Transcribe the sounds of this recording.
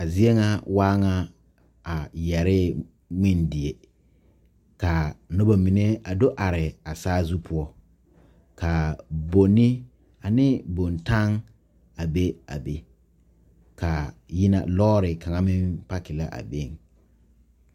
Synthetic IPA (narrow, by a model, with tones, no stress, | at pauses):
a˨zi˦e˦ŋa˦waː˦ŋa˦ | a˨jɛ˨ɾɪ˦ | ŋɪ˦ndɪ˨e˦ | ka˨nʊ˦ba˨mi˨ne˦a˨do˦ʔa˨ɾɪ˨a˨saː˦zu˦pʰʊ˦ɔ˦ | ka˨bo˨nɪ˦ | a˨nɪ˦bo˨nta˦ŋ | a˨be˦a̰˨be˨ | ka˨jɪ˦na̰˨lɔː˦ɾɪ˨ka˨ŋa˦mɪ˦mpa˦kɪ˨la˦ʔa̰˨be˦˨ŋ